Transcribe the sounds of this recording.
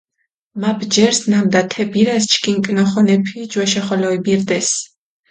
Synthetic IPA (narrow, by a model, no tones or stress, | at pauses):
mabʰd͡ʒɛɾsnamd̪at̪ʰɛbiɾast͡ʃʰkʼiŋkʼnɔχɔnɛpʰid͡ʒwaʃaχɔlɔibiɾd̪ɛs